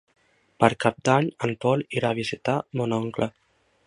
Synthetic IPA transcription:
pəɾkap̚d̪aɲənpɔliɾaβizit̪amonɔŋklə

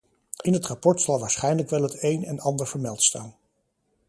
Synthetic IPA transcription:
ɪnɦətrapɔɹtsɑlˠʋaːɹsχɛjnləkʋɛlˠɦətejnɛnɑndəɹvəɹmɛlˠtstaːn

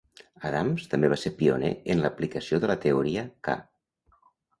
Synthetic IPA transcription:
aðamst̪əmbeβaseɾpionḛənləplikəsioðələt̪euɾiəka̰

